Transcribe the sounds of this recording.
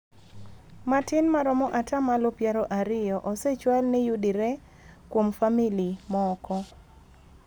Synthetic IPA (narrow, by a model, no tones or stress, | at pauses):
matɪnmaɾɔmɔʔatamalopjaɾɔʔaɾɪjɔʔɔset͡ʃwalnɛjudiɾe | kwomfamilimɔːkɔ